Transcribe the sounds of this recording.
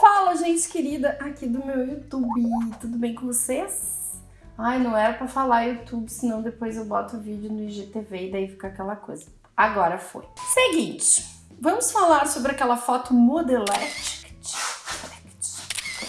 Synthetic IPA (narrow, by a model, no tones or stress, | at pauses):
falɐʒẽnt͡ʃɪ̥keɾid̪ɐʔakid̪ʊmewut̪ubɪt̪ud̪ʊbẽj̃kõvoses | ajnɐ̃w̃ɛɾɐpɾɐfalaɾjut̪ubɪsɪnɐ̃w̃d̪epojzewbɔt̪ʊʊvid͡ʒɪʊnʊiʒet̪eveɪd̪aifi̥kakɛlɐkojzɐ | aɡɔɾɐfo̰jseɡĩt͡ʃɪ̥ | vɐ̃mʊsfalaɾsobɾɪakɛlɐfɔt̪ʊmod̪elɛkt͡ʃi̥kt͡ʃlɛkt͡ʃ